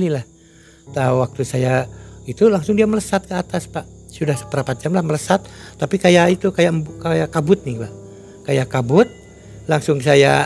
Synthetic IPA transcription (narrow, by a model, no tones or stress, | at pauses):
lilah | t̪auwak̚t̪usajait̪ulaŋsʊŋdiamələsat̪̚kəat̪aspaʔsudahsə̥pəɾapat̪̚d͡ʒamlahmələsat̪̚ː | apikajaʔit̪ukajabkajakabʊt̪̚nɪhba | kajakabʊt̪̚ | laŋsʊŋsaja̰